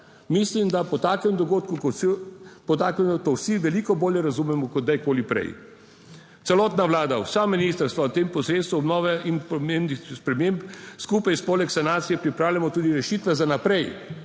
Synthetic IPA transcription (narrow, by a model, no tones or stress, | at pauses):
mislimd̪apɔt̪aːkɛmd̪ɔɡoːt̪kuk | pɔt̪aːkɛmt̪owsiʋɛliːkɔboːljɛɾazumɛmɔkɔd̪ajkoːlipɾɛ̰j | t̪sɛlɔːt̪naʋlaːd̪a̰wsaminist̪əɾst̪ʋawt̪eːmpɔsɾeːt̪st̪ʋuɔbnɔːʋɛinpɔmembnixspɾɛmẽmpskupajspoːlɛksanaːt̪sijɛpɾipɾaːwlʲjamɔt̪uːd̪iɾɛʃit̪ʋɛzanapɾɛj